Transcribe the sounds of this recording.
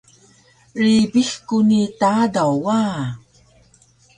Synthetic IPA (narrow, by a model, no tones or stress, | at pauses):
ɾibixkunitadawa